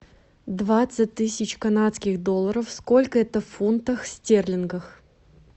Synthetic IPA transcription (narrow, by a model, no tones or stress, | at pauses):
d̪vat̪sɨt̚ʲt̪ɨsʲɪt͡ɕkɐnat̪skʲɪxd̪olˠːəɾəfsko̞lʲkəɛt̪əffunt̪əxsʲtʲerlʲɪnɡəx